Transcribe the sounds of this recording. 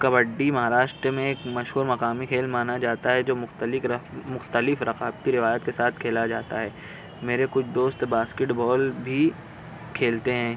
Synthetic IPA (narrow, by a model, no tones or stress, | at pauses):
kɐbəɖːimɐɦaːɾaːʃʈ̪ɾmẽeːkmɐʃɦuːɾmɐqaːmikʰeːlmaːnad͡ʒaːt̪aɦɛd͡ʒoːmʊxt̪əlɪmʊxt̪əlɪfɾɐqaːbt̪iɾɪʋaːjət̪kesaːt̪ʰkʰeːlad͡ʒaːt̪aɦɛː | meːɾekʊt͡ʃʰd̪oːst̪baːskɪʈbɔːlbʱi | kʰeːlt̪eɦɛ̃ː